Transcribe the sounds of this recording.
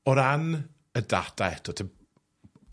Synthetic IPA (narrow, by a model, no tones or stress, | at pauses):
ɔɾan | ədad̥aɛtʰɔtʰɪ